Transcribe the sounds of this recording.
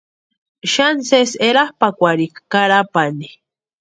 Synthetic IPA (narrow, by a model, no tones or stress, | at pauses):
ʃanseseɾahpakʷaɾikkaɾapani